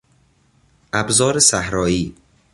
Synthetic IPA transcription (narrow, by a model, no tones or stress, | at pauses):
ʔæbzɒːɾesæhɾɒːiː